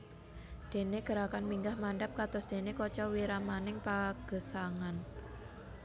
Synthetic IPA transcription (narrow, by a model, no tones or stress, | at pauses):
d̪̥e̤neɡ̥ə̤ɾakanmiŋɡahmaɳɖap̚kat̪ʊsd̪̥e̤nekɔt͡ʃɔwiɾamanɪŋpaɡ̥ə̤saŋan